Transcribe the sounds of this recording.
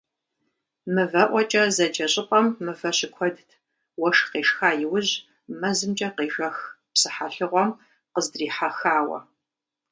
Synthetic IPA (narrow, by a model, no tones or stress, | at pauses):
mɨvɐʔʷɔt͡ʃʼɐzɐd͡ʒɐɕʼɪqʷʼɐmːɨvɐɕɪkʷʰɔdtʰ | wɐʂqeːʃxaːjɪwʊʑ | mɐzɨmt͡ʃʼɐqeːʒɐx | psɨħaɬɨʁʷɔm | qəzdriːħaxaːwɐ̰